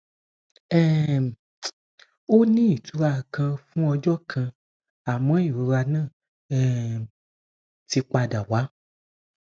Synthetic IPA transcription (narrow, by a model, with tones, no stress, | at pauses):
ɛ˦˨ | o˦nĩ˦i˨tu˨˦ɾa˧kã˧fũ˦ɔ˧d͡ʒɔ˦kʰã˧ | a˨mɔ̃˨˦i˦˨ɾu˨˧˦ɾa˧nãː˦˨ | ɛ˦ | ti˧k͡pa˧da˨wa˨˦